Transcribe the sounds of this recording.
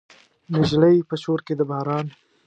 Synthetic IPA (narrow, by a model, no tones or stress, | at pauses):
nɪʒləjpəʃoɾked̪əbahɾɑn